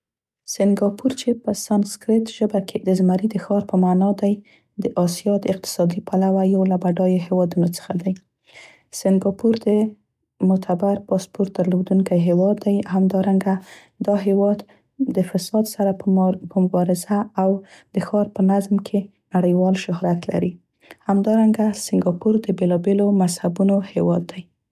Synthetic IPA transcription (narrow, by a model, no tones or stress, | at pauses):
sɪŋɡɑpʰuɾt͡ʃepəsanskɾɪt̪ʒəbakʰed̪əzmaɾid̪əxɑɾpəmɑnɑd̪aj | d̪əʔɑsijɑd̪əɪq̚t̪ɪ̥sɑd̪ipʰalawajawlabaɖɑjoɦewɑd̪unot͡sə̥xad̪aj | sɪŋɡɑpuɾd̪ə | mʊt̪ʰabaɾpɑspoɾt̪̚d̪əɾlod̪uŋkajɦewɑd̪ːajɦamd̪ɑɾaŋɡa | d̪ɑɦewɑd̪ | d̪əfasɑd̪saɾapəmʊbɑɾɪzaːwd̪̥əxɑɾpənazmkʰe | naɽəjwɑlʃʊɦhɾat̪la̰ɾi | hamd̪ɑɾaŋɡasɪŋɡɑpuɾd̪əbelɑbelomazhabunohewɑd̪ːaj